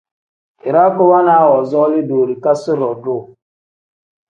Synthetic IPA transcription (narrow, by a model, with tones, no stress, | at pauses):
ɪ˨ɾa˦kʊ˦wa˦na˨a˦wɔ˨zɔ˦lɪ˦do˨ɾi˨ka˦sɪ˦ɾɔ˨dʊ˦˨